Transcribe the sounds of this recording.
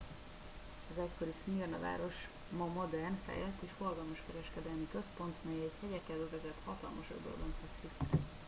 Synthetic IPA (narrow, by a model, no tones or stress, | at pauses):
ɒzɛcko̞ɾismirnɒ̰va̰ːɾo̞ʃ | mɒmo̞d̪ɛrnfɛ̰jlɛt̪ːeːʃfo̞rɡɒlmɒʃkɛɾɛʃkɛd̪ɛlmikø̞spo̞nt̪mɛjɛɛɟhɛɟɛkːɛld̪øzɛzɛt̪hɒt̪ɒ̰lmɒʃo̰d̪o̰ld̪oɱfɛksik